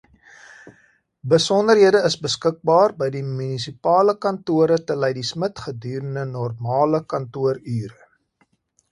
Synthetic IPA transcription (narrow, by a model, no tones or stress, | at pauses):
bəsɔndərɦiədəəsbəskək̚bɑːrbəjdimynisipɑːləkɐntuəɾətəlɛjdismətχədyːɾəndənɔrmɑːləkɐntuəryːɾə